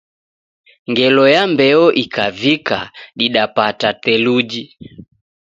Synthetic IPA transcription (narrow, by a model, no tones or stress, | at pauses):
ŋɡɛlɔjambɛɔʔikʰavikaɗiɗapatatɛlud͡ʒi